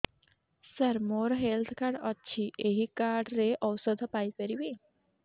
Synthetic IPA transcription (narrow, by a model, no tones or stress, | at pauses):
səɾmoɾɔɦelt̪ʰkaɾɖɔːt͡ʃʰiʔeɦikaɾɖɾeʔɔwsəd̪ʱpajpəɾibi